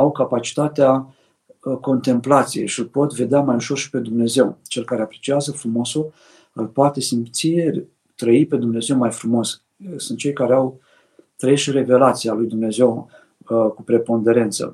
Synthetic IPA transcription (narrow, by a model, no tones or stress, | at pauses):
awkapat͡ʃi̥t̪at̪ea | ko̞nt̪e̞mplat̪sijejʃiɨlpo̞t̪ve̞d̪eamajuʃo̞rʃi̥pe̞d̪umne̞ze̞wt͡ʃe̞lkaɾeapɾe̞t͡ʃiazəfɾumo̞su | ɨlpoat̪e̞simt̪sije̞ | t̪ɾəipe̞d̪umne̞ze̞wmajfɾumo̞s | sɨnt̪̚t͡ʃe̞jkaɾeaw | t̪ɾəeʃiɾe̞ve̞lat̪sijalujd̪umne̞ze̞w | kupɾe̞po̞nd̪e̞ɾe̞nt̪sə̰